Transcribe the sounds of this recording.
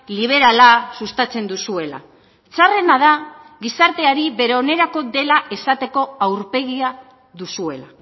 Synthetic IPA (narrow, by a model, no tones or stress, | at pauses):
liβ̞e̞ɾalasust̪at͡se̞nd̪usue̞la̰ | t͡sare̞nað̞a | ɣisaɾt̪e̞aɾiβe̞ɾeo̞ne̞ɾako̞ðe̞laʔe̞sat̪e̞ko̞awɾpe̞ɣia | ðusue̞la